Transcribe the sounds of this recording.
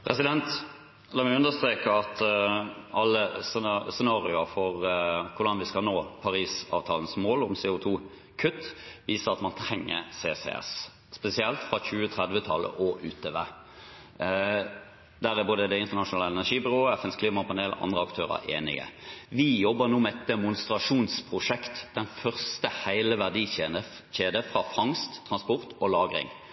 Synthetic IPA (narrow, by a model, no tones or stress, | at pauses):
pʰʁɛsɪd̪ɛnt̪ | lɑːmɛʉnd̪əst̪ɾeːkəɑt̪ | ɑlːəssɛnɑːɾɪʊəfɔʁkʰʊɖ̪ɑnʋɪskɑlnoːpʰɑɾiːsɑ̰ːʋt̪ʰɑːlən̩smoːlʊmseːʊt̪ʰuː | kʰʉt̪ːʋiːsəɾɑt̪mɑnt̪ʰɾɛŋːə̰seːsḛːɛ̰s | spɛsɪɛlt̪fʁɑçʉːət̪ʰʁɛd̪ʋət̪ʰɑlːə̰ʔɔʔʉːt̪ʰeʋḛ | d̪æɾɪboːd̪əd̪ɛɪnt̪əʁnɑʂʊnɑːləɛnæʂiːbʏʁoːɛfɛnskʰliːmɑpʰɑneːlɑ̰nd̪ʁəɑkt̪ʰøːʁə̰ʔḛːnɪ̰ɡə̰ʋɪjɔbːənuːmɛɛt̪ːəmʊnst̪ʁɑʂuːnspʰʁʊʂɛkt̪d̪̥ɛnfœʁst̪əhæɪləʋæʁd̪iːeːnə | çeːd̪əfʁɑfɑŋst̪ʰːʁɑnspɔʁt̪ɔlɑːɡʁɪ̰ŋ